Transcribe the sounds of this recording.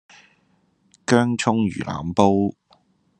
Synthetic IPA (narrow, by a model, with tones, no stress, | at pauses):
kœː˥ŋt͡ʃʰʊ˥ŋjy̰ː˨˩lʔa̰ː˨˩mpo˥w